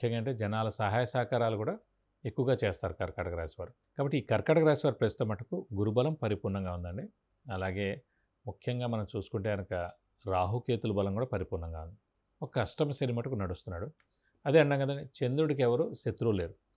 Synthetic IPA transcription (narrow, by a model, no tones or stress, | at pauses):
mukʰjɐŋɡaːɐɳʈe̞ːd͡ʒɛnaːlɐsɐɦaːjɐsaːkaːɾaːlukuːɽaː | ekːuʋɐɡaːt͡ʃɛːst̪aːɾukɐːɾkaʈɐɡɾaːsʋaːɾu | kaːbɐʈːiːkɐɾkaːʈɐɡɾaːsʋaːɾpɾɐst̪ɐmːɐʈɐkuɡuɾubɐlɐmpɐɾipuːɾnɐŋɡaːund̪ɐɳɖi | ɐlaːɡe̞ː | mukʰjɐŋɡaːmɐnɐmt͡ʃuːsu̥kuɳʈe̞ːɡɐnɐkɐ | ɾaːɦukeːt̪ulubɐlɐmkuːɽaːpɐɾipuːɾɳɐŋɡaːund̪i | ɔkːɐːʂʈɐmɐsɐnimɐʈɐkunɐɽust̪unːaːɽu | ɐd̪eːɐɳɖaːŋɡɐd̪ɐnit͡ʃe̞nd̪ɾuɽik̬ɛʋɐɾuːʃet̪ɾuːle̞ːɾu